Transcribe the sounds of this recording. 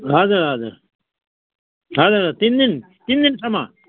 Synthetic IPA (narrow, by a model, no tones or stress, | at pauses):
ɦad̪əaːd̪ɨ | ɦaːd̪aat̪ind̪in | t̪ind̪insɐma